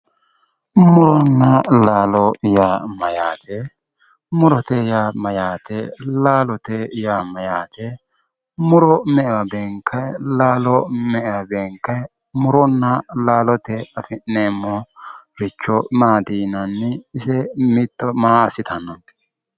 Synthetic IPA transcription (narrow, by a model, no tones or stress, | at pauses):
mʊɾɔnːɐlaːlɔjaːmɐjaːt̪ʰɛ | mʊɾɔt̪ɛjaːmɐjaːt̪ʰɛlaːlɔt̪ɛjaːmɐjaːt̪ʰɛ | mʊɾɔmɛʔɛwɐbeːŋkʰɐlaːlɔmɛʔɛwɐbeːŋkɐj | mʊɾɔnːɐlaːlɔt̪ɛɐfɪnːeːmːɔɾɪt͡ʃːɔmaːd̪iːnɐnːɪːsɛmɪt̪ːɔmaːɐsɪt̪ʰɐnːɔn